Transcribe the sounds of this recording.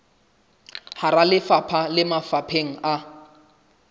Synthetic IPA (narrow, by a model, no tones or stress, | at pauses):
haɾalɪfapʰalɪmafapʰeŋ̩ʔa